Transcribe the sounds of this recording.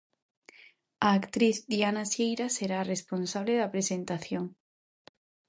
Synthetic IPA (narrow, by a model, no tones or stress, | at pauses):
aːkt̪ɾiθd̪ianasejɾaseɾaresponsaβ̞leðapɾesent̪aθjoŋ